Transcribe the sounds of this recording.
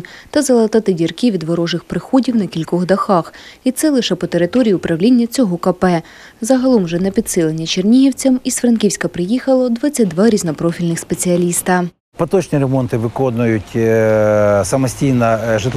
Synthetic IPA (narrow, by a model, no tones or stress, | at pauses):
t̪ɐzɐlˠɐt̪ɑt̪ɪdʲirkiʋʲid̪ʋɐɾɔʒɪxpɾɪxɔdʲiwnɐkʲilʲkɔɣd̪ɐxɑxit̪sɛlˠɪʃɛpɔt̪eɾɪt̪ɔɾʲijiʊpɾɐwlʲinʲːɐt͡sʲɔɦɔkɐpɛ | zɐɦɐlˠɔmʒɛnɛpʲid̪sɪlˠenʲːit͡ʃernʲiɦiwt͡sʲɐmisfɾɐnkʲiwsʲkɐpɾɪjixɐlˠɔd̪ʋɑt͡sʲːɐt̚ʲd̪ʋɑɾʲiznɔpɾɔfʲilʲnɪxspet͡sʲiɐlʲist̪ɐ | pɐt̪ɔt͡ʃnʲiɾemɔnt̪ɪʋɪkɔnʊjʊtʲ | sɐmɐsʲtʲijnɐʒɪt̪